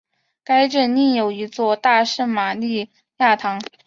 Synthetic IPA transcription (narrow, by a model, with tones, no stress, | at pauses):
ka˥ɪʈ͡ʂə˥˩ni˥˩njo˨˩ʊi˧˥t͡swɔ˥˧t̪a˥˧ʂ̩˥˩ma˨˩li˥˧ | ja˥˩t̪ʰɑ˧˥ŋ